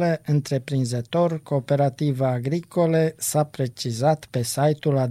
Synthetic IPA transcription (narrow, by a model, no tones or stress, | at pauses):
leʔɨnt̪ɾe̞pɾinzət̪o̞rko̞ːpe̞ɾat̪ivəːɡɾiko̞lesapɾe̞t͡ʃizat̪pe̞sajt̪ulad̪